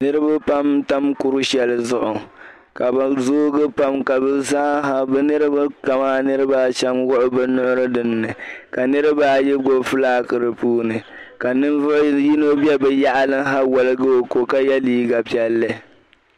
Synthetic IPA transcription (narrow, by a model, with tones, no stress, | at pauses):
nɨ˦ɾɨ˦ba˦pa˦mta˦mkʊ˦ɾʊ˦ʃɛ˦lɨ˦zʊ˦ʔʊ˨ | ka˨ba˨zoː˦ɡɨ˦pa˦mka˨bɨ˨za˦ɦa˦bɛ˦nɨ˦ɾɨ˦ba˦ka˨maː˦nɨ˦ɾɨ˦baː˦ʃɛ˦mwʊ˦ʔʊ˦bɨ˦nʊ˦ʔʊ˦ɾɨ˦dɨ˨nːɨ˨ka˨nɨ˦ɾɨ˦baː˦jɛ˦ɡo˨fɨ˦laː˦kɨ˨ɾɨ˨puː˦nɨ˨ka˨nɨ˦vʊ˦ʔji˦no˦bi˦ɛ˦bɛ˨ja˦ʔa˦lɨ˦ɦa˦wɔ˨lɨ˦ɡɨ˦o˨ko˨ka˦jɛ˦liː˦ɡa˨pi˦ɛ˦lːɨ˦